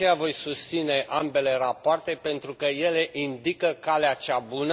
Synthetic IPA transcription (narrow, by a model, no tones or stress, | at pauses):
ejavo̞jsust̪sine̞ʔambe̞le̞rapoart̪e̞pe̞nt̪ɾukəje̞le̞ʔind̪ikəkaleat͡ʃabunə